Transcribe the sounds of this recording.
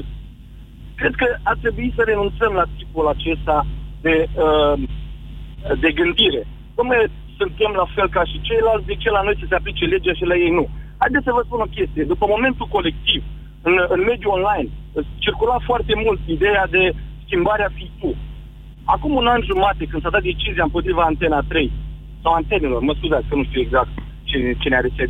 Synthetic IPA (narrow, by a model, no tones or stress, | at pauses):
kɾe̞d̪̚kəart̪ɾe̞buisəɾe̞nunt̪səmlat̪ipulat͡ʃe̞st̪ad̪e̞ə | d̪e̞ɡɨnd̪iɾe̞ | numaj | sɨnt̪e̞mlafe̞lkaʃit͡ʃe̞jlalt̪sʲd̪et͡ʃejlano̞jsəseaplit͡ʃe̞le̞d͡ʒaʃilaje̞jnuhajd̪esəvəspuno̞kʲe̞st̪ijed̪upəmo̞me̞nt̪uko̞le̞k̚t̪iv | ɨnɨnme̞d̪juonlajn | ɨt͡ʃirkulafoart̪e̞mult̪id̪e̞jad̪e̞skʲimbaɾeafijt̪u | a̰kumunanʲʒumat̪e̞kɨnsad̪at̪̚d̪et͡ʃizijaɨmpo̞t̪ɾivaːnt̪e̞nat̪ɾe̞j | sawant̪e̞ne̞lo̞rməskuzat̪skənuʃt̪iuweɡzak̚t̪̚ | t͡ʃet͡ʃeneaɾest͡ʃe